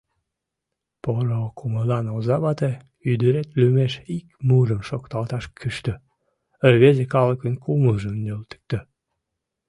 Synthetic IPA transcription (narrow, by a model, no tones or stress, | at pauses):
poɾokʰuməlɑnozɑβɑt̪e | yd̪əɾet̪lymeʃikmuɾəmʃokt̪ɑlt̪ɑʃkʰyʃt̪ø | əβezekɑləkənkʰuməʒəmnølt̪ə̥k̚t̪ə